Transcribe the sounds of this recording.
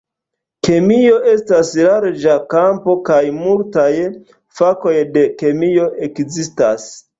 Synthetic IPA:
ke̞mio̞ʔe̞staslaɾd͡ʒakampo̞kajmultaj | fako̞jde̞ke̞mio̞ʔe̞kzistas

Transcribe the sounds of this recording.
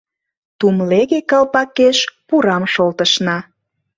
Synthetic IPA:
t̪umleɣekɑlpɑkeʃpuɾɑmʃolt̪əʃnɑ

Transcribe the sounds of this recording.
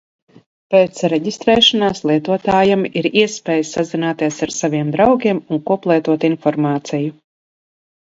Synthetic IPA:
pɛːt̪sɾɛɟʲist̪ɾɛːʃanaːslˠiɛt̪uɔt̪aːjamiɾiɛspɛːjsazinaːt̪iɛsaɾsavʲiɛmd̪ɾawɡʲiɛmunkuɔplˠɛːt̪uɔt̪infɔɾmaːt̪siju

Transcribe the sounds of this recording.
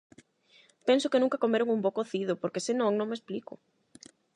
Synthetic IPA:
pensokenũŋkakomeɾʊŋumbokoθiðopoɾkesenõŋnõŋmesplikʊ̰

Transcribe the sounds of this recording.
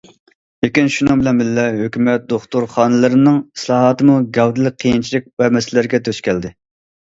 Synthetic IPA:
ekʲinʃunɨŋbɪlɛnbɪlːɛɦøkʲymɛt̪̚d̪oχt̪uɾχɑːnɨlˠɨɾɨnɨŋi̥slˠɑːɦɑt̪ɨmuɡʲɛwd̪ɨlˠɨk̚ʲqʰːijint͡ʃʰilɪk̚ʲvɛmɛslɪɾɪɡʲɛt̪ʰøʃkʲʰɛld̪ɪ

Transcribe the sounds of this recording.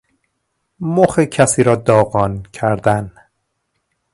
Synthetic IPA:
moxecʰæsiːɾɒːd̪ɒːɣɒːncʰæɾd̪æn

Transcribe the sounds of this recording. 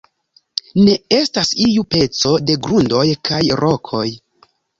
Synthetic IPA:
ne̞e̞stasijupe̞t͡so̞de̞ɡɾundo̞jkʰajɾʔo̞kʰo̞j

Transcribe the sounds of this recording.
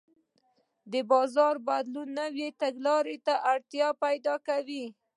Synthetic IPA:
d̪əbɑzɑɾbad̪lunːəwet̪aɡlɑɾet̪aʔaɽt̪jɑpajd̪ɑkawi

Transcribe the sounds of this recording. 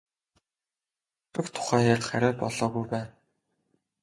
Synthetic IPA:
tɘ̆kt̪ʰʊ̥χæːjarʲχæɾʲæːpɔɮɔːɣujpæːn

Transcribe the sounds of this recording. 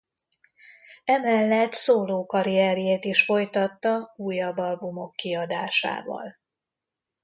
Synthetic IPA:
ɛmɛlːɛt̪soːloːkɒɾijɛɾjeːt̪iʃfo̞jt̪ɒt̪ːɒuːjːɒbːɒlbumo̞kːiɒd̪aːʃa̰ːvɒ̰l

